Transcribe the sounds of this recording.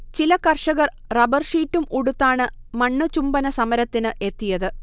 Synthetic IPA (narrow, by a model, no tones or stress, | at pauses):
t͡ɕilɐkɐrʂɐɣɐr | rɐbɐrʂiːtːumuɽut̪ːaːɳɨmɐɳːɨt͡ɕumbɐnɐsɐmɐɾɐt̪ːinɨʔe̞t̪ːijɐðɨ